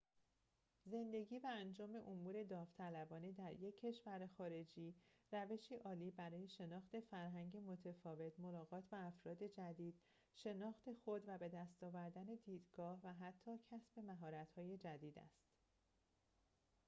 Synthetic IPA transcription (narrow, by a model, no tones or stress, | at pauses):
ze̞nd̪e̞ɟiːvæænd͡ʒɒːme̞ʔomuːɾe̞d̪ɒːft̪ʰælæbɒːniːd̪æɾjecʰːe̞ʃvæɾexɒːɾe̞d͡ʒiːræve̞ʃiːʔɒːliːbæɾɒːje̞ʃe̞nɒːxt̪e̞fæɾɦæŋɟe̞mo̞t̪ʰe̞fɒːve̞t̪ʰmo̞lɒːɣɒːt̪ʰbæːfɾɒːd̪e̞d͡ʒæd̪iːd̪̥̚ | ʃe̞nɒːxt̪ʰe̞xod̪væbe̞d̪æst̪ɒːvæɾd̪æne̞d̪iːd̪ɡɒːhvæɦæt̪ʰːɒːcʰæsbe̞mæɦɒːɾæt̪hɒːje̞d͡ʒæd̪iːd̪æ̰st̪